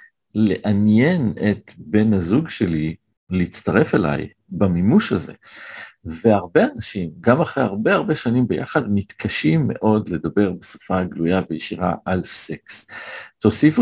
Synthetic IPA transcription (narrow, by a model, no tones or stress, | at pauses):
le̞ʔanjenet̪be̞nhazuɡʃe̞li | leit͡staʁe̞fela̰j | bamimuʃhaze̞̰ | ve̞aʁbe̞anaʃimɡamaχʁeaʁbe̞aʁbe̞ʃanimbeja̰χadmit̪kʰaʃimːe̞̰ʔo̞dle̞d̪abe̞ʁbeso̥faɡlujavejiʃiʁa̰ʔalse̞ksto̞sifu